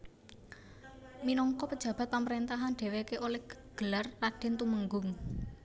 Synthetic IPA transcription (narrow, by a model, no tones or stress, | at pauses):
minɔŋkɔpəd̥ʒ̥ä̤b̥a̤t̪̚paməɾent̪aɦanɖ̥ewekeʔolɛhɡ̥əlarːaɖ̥ɛ̤nt̪uməŋɡʊŋ